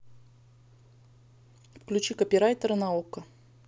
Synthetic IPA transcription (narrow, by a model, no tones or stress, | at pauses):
fklʲʉt͡ɕikəpʲɪɾajt̪əɾənaokːə